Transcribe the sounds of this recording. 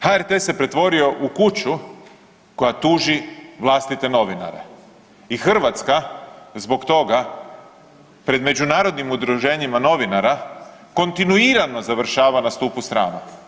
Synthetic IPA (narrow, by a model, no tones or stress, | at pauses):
haeɾt̪ese̞pɾe̞t̪ʋo̞ɾio̞ʔukut͡ɕu | ko̞jat̪uːʒiʋlˠast̪it̪e̞no̞ʋina̰ɾe̞̰ | ixr̩ʋat̪skazbo̞kt̪o̞ɡa | pɾe̞d̪me̞d͡ʒunaːɾo̞d̪nimud̪ɾuʒe̞ːɲimano̞ʋinaɾako̞nt̪inuiɾano̞zaʋr̩ʃaːʋanast̪uːpust̪ɾa̰ːna